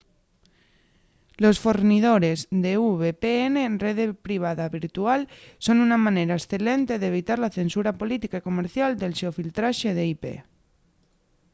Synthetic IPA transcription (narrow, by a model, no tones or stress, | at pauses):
losfoɾnið̞oɾezðeuβepeenereð̞epɾiβ̞aðaβiɾt̪ualso̞nunamãneɾaesθe̞lent̪e̞ðeβ̞it̪aɾlaθe̞nsuɾapolit̪ikaikomeɾθjald̪e̞lʃeofilt̪ɾaʃeð̞eipḛ